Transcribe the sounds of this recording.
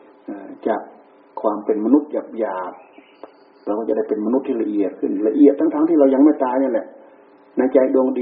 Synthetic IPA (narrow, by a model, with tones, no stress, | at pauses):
ʔaː˧˩t͡ɕa̰˧˩ʔ | kʰwaː˧mpe˨nma˧nu˧˦˥t̪̚ja˨˩p̚jaː˨˩p̚ | ɾwkɔ˧˩t͡ɕa˧da˥˩jpe˨nma˧nu˧˦t̪ʰːiː˧la˧ʔi˨˩ət̪̚kʰɯ˧˩nla˧ʔi˨˩ət̪̚ːʰa˧˥ŋt̪ʰaː˧˦ŋt̪ʰiː˧ɾa˧wɲa˧ŋma˧˥˩jt̪aː˧jɲa˧˨nlɛ˧˦ʔ | na˧˩jt͡ɕa˧jdu˧əŋdi˧